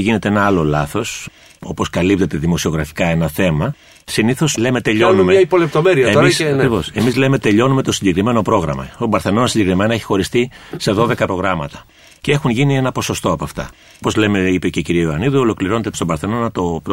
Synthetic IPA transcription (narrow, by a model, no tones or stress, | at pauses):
ʝine̞t̪e̞enɐɐlo̞lɐθo̞s | o̞po̞skɐlip̚t̪e̞t̪e̞ðimo̞sio̞ɣɾɐfi̥kɐe̞nɐθe̞mɐ | siniθo̞sle̞me̞t̪e̞ʎo̞numeipolept̪omeɾiɐesɐkɾivo̞se̞mizle̞me̞t̪e̞ʎo̞nume̞t̪o̞siɲɟe̞kɾime̞no̞pɾo̞ɣɾɐ̰mɐ̰t̪obɐɾθe̞no̞nɐsiɲɟe̞kɾime̞nɐeçi̥xo̞ɾist̪ise̞ðo̞ðe̞kɐpɾo̞ɣɾɐmɐt̪ɐ̥ | cee̞xunʝinie̞nɐpo̞so̞st̪o̞ɐpɐft̪ɐ̰ | po̞zle̞me̞ipece̞ciɾieoɐniðuolo̞kliɾo̞net̪est̪obɐɾθe̞no̞nɐt̪op